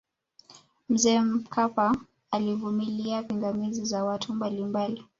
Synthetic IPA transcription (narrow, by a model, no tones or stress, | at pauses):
m̩zɛːm̩kʰapa | alivumiliapiŋɡamizizawatʰumbalimbali